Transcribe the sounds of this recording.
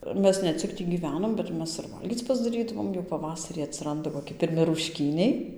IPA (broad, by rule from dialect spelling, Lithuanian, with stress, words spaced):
ˈmʲɛs nʲɛ ˈt͡sʲɪk ˈtʲiː ɡʲiːˈʋʲæːnoːm bʲɛt ˈmʲɛs ɪr ˈʋɐlʲɡʲiːt͡s pɐzdɐˈrʲiːdɐʋoːm jɛʊ pɐˈʋɑːsɐrʲiː ɐtʲsʲɪˈrɐndɐ koːˈkʲɪ pʲɪrʲˈmʲɪ rʊʃʲˈkʲiːnʲɛɪ